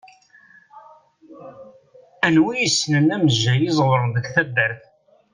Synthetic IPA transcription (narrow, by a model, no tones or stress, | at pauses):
ænwijəsːnənæməʒːæjɪzˤwɾˤðəɡθæbːəɾθ